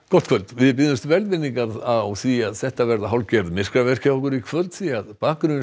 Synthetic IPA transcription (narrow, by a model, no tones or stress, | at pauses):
kɔht̪kʰvœlt̪vɪðp̬ɪðʏst̪vɛlt̪vɪnːiŋkaðaðawθiaðsɛht̪avɛɾðaɦawlcɛɾðmɪr̥kɾavɛr̥caɔhkʏɾikʰvœlt̪θiaðpaːkɾʏn